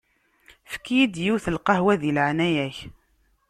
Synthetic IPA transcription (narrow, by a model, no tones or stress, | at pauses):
fə̥kːijid̪jiwθəlqɑhwæðilʕnæjæç